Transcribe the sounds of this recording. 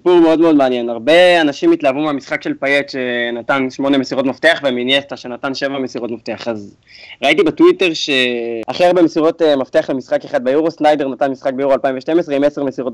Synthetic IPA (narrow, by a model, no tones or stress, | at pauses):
sipuʁmeo̞d̪meo̞d̪meanje̞naʁbe̞anaʃimit̪laːvumeamisχakʃe̞lpajetʃe̞nat̪anʃmo̞ne̞mesiʁo̞t̪mafteaχveminjest̪aʃe̞natanʃe̞vamesiʁo̞tmaft̪eaχaz | ʁaitibetwit̪e̞ʁʃe̞aχeaʁbemesiʁo̞t̪emaft̪eaχlemisχakeχad̪̚bejuʁo̞snajde̞ʁnat̪anmisχak̚beuʁoalpaimveʃte̞mesʁeimeseʁmesiʁo̞t